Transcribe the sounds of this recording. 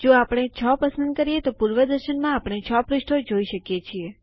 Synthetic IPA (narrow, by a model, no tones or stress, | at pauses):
d͡ʒoapɽ̃et͡ʃʰɔpəsə̃nd̪̚kəɾijet̪opuɾʋəd̪əɾʃənmãapɽ̃et͡ʃʰɔpɾɪʃʈʰod͡ʒoiʃəkjet͡ʃʰie